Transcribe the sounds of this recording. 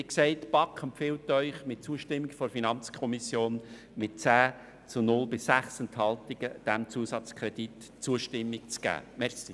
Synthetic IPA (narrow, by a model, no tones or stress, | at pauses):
ɪkseɪtb̥ɑkχəmpfɪltœʏχmɪt̚t͡suəʃtɪmːikfɔɾfinɑnt͡skʰɔmisjoːn | mɪt̚t͡sæː | t͡sʊnʊlbɪsːæχsənt̪hɑltɪɡ̥əd̥æmt͡suəsɑt͡skɾɛdit | t͡suəʃtɪmːik̚t͡sɡ̥æ̰ːmɛɾχsi